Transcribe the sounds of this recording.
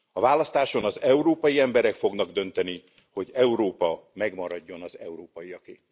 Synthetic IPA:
ɒvaːlɒst̪aːʃo̞nɒzɛuɾoːpɒjiɛmbɛɾɛkfoɡnɒɡd̪ø̞nt̪ɛni | ho̞ɟɛuɾoːpɒmɛɡmɒɾɒɟːo̞nɒzɛuɾoːpɒjiɒkeː

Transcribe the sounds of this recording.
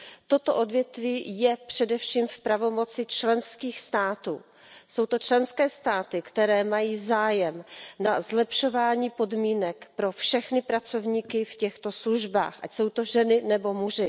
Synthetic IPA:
t̪o̞t̪oʔo̞dvjɛt̪viːjɛpr̥ɛdɛfʃiːmfpɾavo̞mo̞t͡sɪt͡ʃlɛnskiːxst̪aːt̪ṵː | so̞wt̪o̞t͡ʃlɛnskɛːst̪aːt̪ɪkt̪ɛɾɛːmajiːzaːjɛmnazlɛpʃo̞vaːɲiːpo̞dmiːnɛkpɾo̞fʃɛxnɪpɾat͡so̞vɲiːkɪfcɛxt̪o̞sluʒba̰ːxʔa̰cso̞wt̪o̞ʒɛnɪnɛbo̞muʒɪ

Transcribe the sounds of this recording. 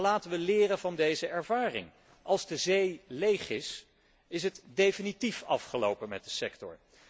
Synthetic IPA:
laːtəʋəlɪːrənvɑndejzəɛɹvaːrɪ̰ŋ | ʔɑlˠzdəzejlejχɪs | ɪs̬ɦətdejfinitifɑfχəlo̰wpənmɛ̰t̚dəsɛktɔ̰ɹ

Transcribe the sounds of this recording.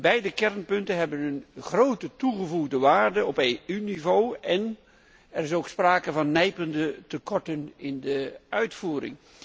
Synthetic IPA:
bɛjdəkɛrnpɵntənɦɛbənənχrowtətuχəvuχdəʋaːɹdəɔpejynivowɛn | ɛrɪsowkspraːkəvɑnːɛjpəndətəkɔɹtənɪndəœɥtfuːɾɪ̰ŋ

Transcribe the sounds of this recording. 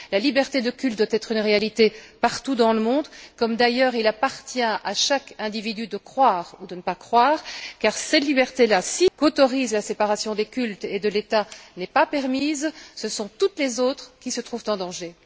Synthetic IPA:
lalibɛʁt̪ed̪əkʲylt̪̚d̪wat̪ɛt̪χynʁealit̪epaʁt̪ud̪ɑ̃ləmɔ̃d̪kɔmd̪ajœːʁilapaʁt̪jɛ̃ʔaʃakɛ̃d̪ivid̪yd̪əkχwaːʁud̪ənəpakχwaːʁkaʁsɛt̪libɛʁt̪elasikot̪ɔʁizlasepaʁasjɔ̃d̪ekʲylt̪ed̪əlet̪anɛpapɛʁmizsəsɔ̃t̪ut̪lezot̪χkʲisət̪χuvt̪ɑ̃d̪ɑ̃ʒe

